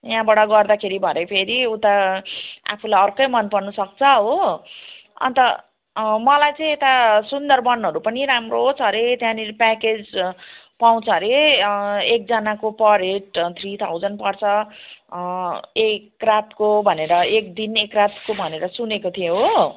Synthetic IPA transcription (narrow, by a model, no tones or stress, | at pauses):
jɦãbaɽʌɡʌrd̪akʰeɾibʱʌnʌpʰeɾiut̪a | a̰pʰulajʌrkʌjmʌnpʌrnusʌk̚t͡sʰʌɦo | ʌ̰nt̪ʌ | mʌlajt͡sʌĩet̪asund̪ʌrbʌnɦʌɾupʌniɾamroɦot͡sʰʌɾet̪jãnipaked͡z | paw̃t͡sʰʌɾe | ek̚d͡zʌnakopʌɾeʈt̪ʰrit̪ʰawd͡zʌnpʌrt͡sʰʌ | ekrat̪kobʱʌneɾʌek̚d̪inekrat̪kobʱʌneɾʌsunekot̪ʰijẽɦo